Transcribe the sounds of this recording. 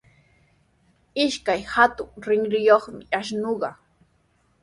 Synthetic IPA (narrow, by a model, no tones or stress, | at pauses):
ɪʃkajhat̪ʊŋɾɪŋɾɪjoχmɪaʃnoɢɑ